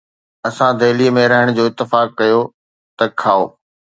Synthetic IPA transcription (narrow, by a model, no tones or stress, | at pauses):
ɐsãd̪ʱeːlimẽɾɐɦəɽ̃d͡ʑoːɪt̪ːɪfaːkːɐjo | t̪ɐkʰaːo̰ː